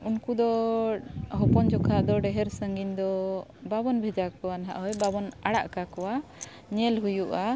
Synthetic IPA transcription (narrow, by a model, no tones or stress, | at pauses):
unkud̪ɔ | ɦɔpɔnd͡ʒɔkʰaʔd̪ɔɖɛɦɛɾsəŋɡind̪ɔbabɔnbʱɛd͡ʒakkɔwanaɦa̰ʔɦɔjbabɔnaɽa̰ʔkakɔwa | ɲɛlɦujuʔa